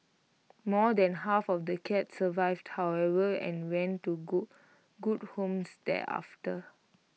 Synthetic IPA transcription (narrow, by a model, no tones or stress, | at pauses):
mɔdɛ̃nhafɔfdəkʰɛt̚səvaɪvdhawɛvəɛ̰̃nwɛ̃ntːuɡu | ɡud̚hõmsdɛ̰ʔa̰ftə